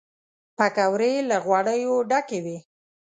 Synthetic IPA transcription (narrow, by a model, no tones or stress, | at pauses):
pakawɾelaɣwɑɽəjoɖakewi